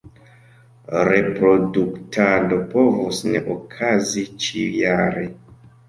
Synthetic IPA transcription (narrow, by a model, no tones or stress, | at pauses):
ɾe̞pɾo̞duktʰado̞po̞vosnḛʔokʰazit͡ʃijaɾe